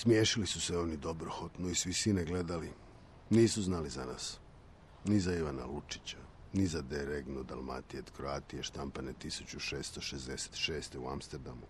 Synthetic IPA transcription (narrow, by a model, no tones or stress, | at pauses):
smjeːʃilisuseo̞nid̪o̞bɾoxot̪noisʋisʋineɡle̞d̪ali | niːsuznaːlizana̰ːs | nizaiʋana̰lut͡ʃi̥t͡ɕa | nizad̪eɾeɡnod̪alma̰t̪iet̪kɾoaːt̪ieʃt̪ampanet̪isut͡ɕuʃeːst̪oʃezd̪ese̥t̪ʃeːst̪eua̰mst̪eɾd̪amu